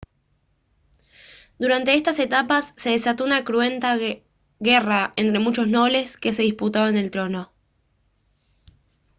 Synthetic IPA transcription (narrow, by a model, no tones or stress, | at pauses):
d̪uɾant̪e̞est̪ase̞t̪apasːe̞ð̞e̞sat̪o̞unakɾue̞nt̪a | ɣe̞raent̪ɾe̞mut͡ʃo̞zno̞βle̞ske̞s̬e̞ðisput̪aβaene̞lt̪ɾo̞no̞